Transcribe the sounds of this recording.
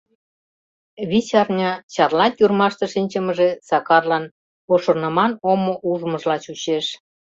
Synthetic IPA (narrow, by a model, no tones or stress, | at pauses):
βit͡ɕɑrnʲɑt͡ɕɑrlɑt̪ʲurmɑʃt̪ɤ̆ʃinʲt͡ɕə̆mə̆ʒesɑkɑrlɑn | oʃŏrnəmɑnomoʔuʒmə̆ʒlɑt͡ɕut͡ɕeʃ